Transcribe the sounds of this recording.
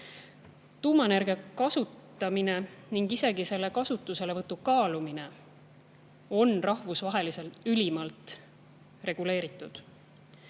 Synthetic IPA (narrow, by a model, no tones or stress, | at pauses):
t̪uːmɑnerɡ̥ekɑsut̪ːˑɑmine̞niŋɡ̥ise̞ɡise̞lːe̞kɑsut̪ːˑuse̞le̞vɤt̪ːukɑːlumine̞ | o̞nrʔɑhvusvɑɦe̞lise̞lt̪ylʲimɑlt̪ | re̞ɡ̥ule̞ːɾit̪ːˑud̪̥